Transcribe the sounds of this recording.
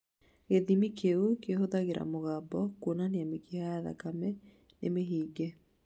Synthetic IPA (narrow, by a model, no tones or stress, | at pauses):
eðimikʰeukeɦoðaɣeɾa̰moɣabɔkwonaneamekihajaða̰kamɛ | nemeɦiːɡɛ